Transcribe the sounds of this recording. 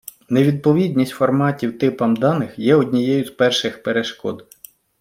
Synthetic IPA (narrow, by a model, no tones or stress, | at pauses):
neʋʲid̪̚pɔʋʲid̪ʲnʲisʲtʲfɔrmɑtʲiwt̪ɪpɐmd̪ɑnɪxjɛɔdʲnʲijɛjʊzpɛrʃɪxpeɾeʃkɔ̰d̪